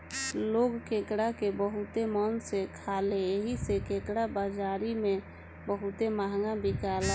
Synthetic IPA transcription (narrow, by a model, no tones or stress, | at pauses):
loɡkekɽakebəɦut̪emənsekʰaleeɦisekekɽabad͡ʒaɾime | bəɦut̪emaɦŋɡãbikalɛ